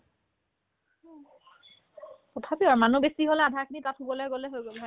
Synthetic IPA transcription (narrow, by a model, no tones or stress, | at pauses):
tɔtʰapiaɹmanubesiɦolɛadʱaɹkʰinitatʰubɔlɛɡolɛɦojɡola